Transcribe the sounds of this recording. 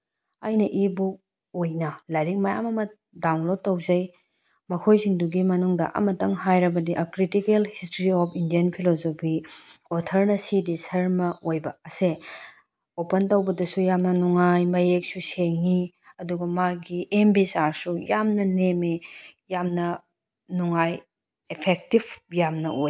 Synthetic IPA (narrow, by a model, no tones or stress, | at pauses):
a̰jnɐʔibu | ojnɐlɐjɾik̚mɐjamɐmɐ | dawnlod̚tːɐwzɐj | mɐkʰojsiŋduɡimɐnuŋdɐ̰ʔɐ̰mɐtɐŋɦajɾɐbɐdiʔɐkɾitikelhistɾiɔpʰindijɐnpʰilozopʰiɔtʰɐɾnɐsidisɐɾmɐojbɐːse | opɐntɐwbɐdɐsujamnɐnuŋajmɐjek̚suseŋi | ɐduɡɐmaɡiembisaɾsujamnɐnemejamnɐ | nuŋaj | epʰek̚tibʰjamnɐ̰ʔoj